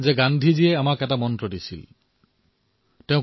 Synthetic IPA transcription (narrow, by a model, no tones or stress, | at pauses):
zɛɡandʱiziɛamakɛtamɔntɹɔdisḭl | tɛʊ̃